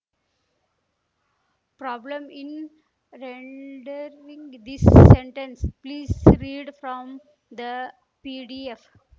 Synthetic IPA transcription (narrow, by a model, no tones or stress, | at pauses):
pɾɔːblə̃mɪ̃n | ɾẽɳɖəɾĩŋɡd̪ɪsːẽɳʈə̃nspliːzɾiːɖfɾɔ̃m | d̪ə | piːɖief